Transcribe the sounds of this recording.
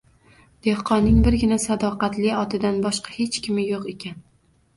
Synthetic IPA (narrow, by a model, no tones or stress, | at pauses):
d̪̥e̞hqʰɒnːɪŋbɪɾɡʲɪnasad̪ɒqɑt̪lɪɒt̪ʰɪd̪anbɒʃqɑ̥he̞t͡ʃkʲɪmɪjoqe̞kʲʰan